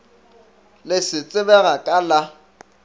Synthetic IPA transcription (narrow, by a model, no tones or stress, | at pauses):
lɪsɪt͡sʼɪbɛɣakʼala